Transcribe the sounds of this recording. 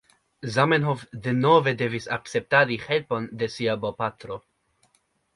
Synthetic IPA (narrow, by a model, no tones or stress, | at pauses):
zamenɦofd̪enove̞de̞visa̰k̚t͡se̞p̚taɾihe̞lpo̞nde̞siabopat̪ɾo̞